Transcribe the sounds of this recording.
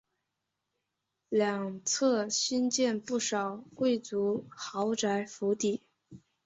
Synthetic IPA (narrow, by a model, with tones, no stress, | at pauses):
ljɑ˨˩ŋt͡sʰɤ˥˩ɕi˥nt͡ɕjɛ˥˧npu˥˩ʂɑ˨˩ʊkwe˥˩ɪt͡su˧˥xɑ˧˥ʊʈ͡ʂa˧˥ɪfu˧˥t̪i˨˩˦